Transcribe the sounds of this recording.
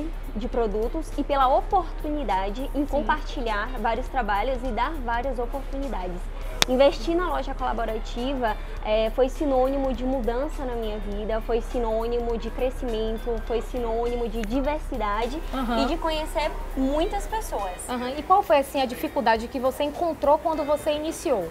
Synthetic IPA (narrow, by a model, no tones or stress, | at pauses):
d͡ʒɪpɾod̪ut̪ʊsɪpelɐopoɾt̪unid̪ad͡ʒɪʔẽkõpaɾt͡ʃiʎaɾvaɾiʊst̪ɾabaʎʊzɪd̪aɾvaɾiɐzopoɾt̪unid̪ad͡ʒɪs | ĩveʃt͡ʃinɐlɔʒɐkola̰boɾat͡ʃivɐ | ɛfojsinõnimʊd͡ʒɪmud̪ɐ̃sɐnɐmĩɲɐvid̪ɐfojsinõnimʊd͡ʒɪkɾesimẽnt̪ʊfojsinõnimʊd͡ʒɪd͡ʒiveɾsid̪ad͡ʒɪ̃ɦɪd͡ʒɪkõɲeseɾmũj̃t̪ɐspesoɐsãɦɐ̃ɪkwawfojasĩɐd͡ʒifikuwd̪ad͡ʒɪkɪvoseẽkõnt̪ɾokwɐ̃nd̪ʊvoseinisiow